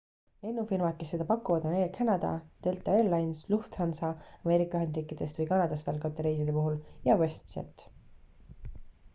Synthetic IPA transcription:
e̞nːufilmɑt̪̚ke̞sːe̞d̪ɑpɑkːˑuvɑd̪̥oneːlkʰænɑd̪ɑ̰d̪̥e̞lt̪ːˑɑellɑjnsluht̪hɑnsɑːme̞ːɾikːˑɑyɦe̞nd̪riːkːˑid̪̥e̞st̪vɨjkɑnɑd̪̥ɑst̪ɑlkot̪ːeɾejs̬id̪̥e̞puɦuljɑvest̪sḛt̪ː

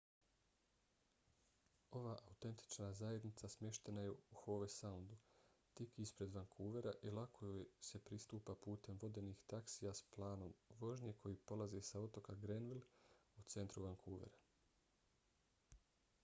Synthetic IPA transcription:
o̞ʋaːʔaut̪e̞nt̪i̥t͡ʃnazaje̞d̪nit̪sasmʲje̞ʃt̪e̞najeuxo̞ːʋesaund̪ut̪ikiispɾe̞d̪ʋaŋkʰuːʋe̞ɾaʔilˠakʰojose̞pɾist̪uːpapuːt̪e̞mʋo̞d̪e̞nixt̪aksijasplˠaːno̞mʋo̞ʒɲe̞kʰo̞jiːpo̞lˠazesao̞t̪o̞kaɡɾenʋilˠut̪se̞nt̪ɾuʋaŋkʰuːʋe̞̰ɾa

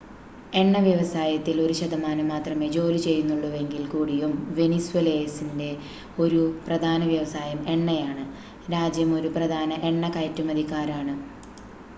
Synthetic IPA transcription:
e̞ɳːɐʋjɐʋɐsaːjɐt̪ːilo̞ɾuɕɐd̪ɐmaːnɐmːaːt̪rɐme̞ːd͡ʑo̞ːlit͡ɕe̞jːunːuɭːɐʋe̞ŋɡilkuːɽijumʋe̞niswelejsinde̞ | o̞ɾuprɐd̪ʱaːnɐʋjɐʋɐsaːjɐme̞ɳːɐjaːɳɨ | ɾaːd͡ʑjɐmo̞ɾuprɐd̪ʱaːnɐʔe̞ɳːɐkɐjtːumɐd̪ʱikːaːɾaːɳɨ

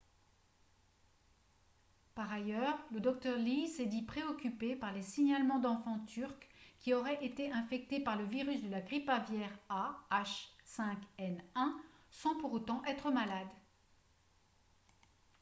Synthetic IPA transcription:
paʁajœʁləd̪ɔk̚t̪œʁlisɛd̪ipχeɔkʲypepaʁlesiɲalmɑ̃d̪ɑ̃fɑ̃t̪yʁkkʲːiɔʁɛʔet̪eʔɛ̃fɛk̚t̪epaʁləviʁysd̪əlaɡʁipavjɛʁaaʃsɛ̃kɛnɛ̃sɑ̃puʁot̪ɑ̃ʔɛt̪χəmalad̪

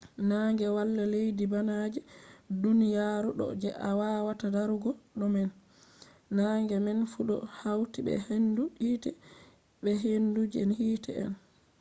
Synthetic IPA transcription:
naŋɡɛwalːalejdibanad͡ʒɛdunijaɾuɗɔ̰d͡ʒɛʔawawatadaɾuɡɔɗɔmɛnː | aŋɡɛmɛnfuɗɔ̰hawtibɛ̰henduitɛ | ɓɛɦendud͡ʒiɛnhiːtʰɛ̰ɛ̰n

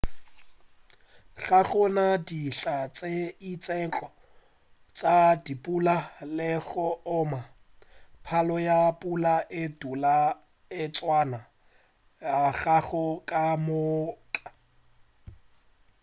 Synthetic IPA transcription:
ɣaɣɔnadiɬat͡sʼeit͡sʼɛnt͡ɬʼɔ | t͡sʼadipʼulalɪɣɔʊma | pʰalɔjapʼulaʔɪdula | ɪt͡sʼwana | aɣaɣɔkʼamʊkʼḁ

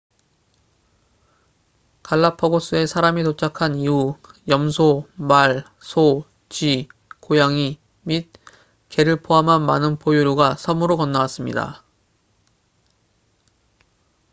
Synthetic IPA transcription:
kaɭːapʰʌɡos͈ue̞sʰaɾamit̬ot͡ɕʰakʰaniujʌmsʰomaɭ | sʰo | t͡ɕikojaŋi | mit̚ | ke̞ɾɯɭpʰoɦamɦanmanɯnpojuɾjuɡasʰʌmɯɾokʌnːawas͈ɯmɲḭda̰

